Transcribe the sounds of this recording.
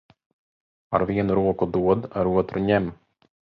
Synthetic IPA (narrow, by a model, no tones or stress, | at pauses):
a̰ɾviɛnɾuːɔkʊd̪uɔd̪aɾuɔt̪ɾʊɲɛm